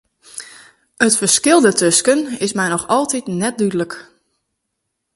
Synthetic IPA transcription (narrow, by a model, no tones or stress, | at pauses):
ətfəɹskɪlˠdətʰøskənɪsmɛjnɔxɔlˠtitnɛt̚dydələk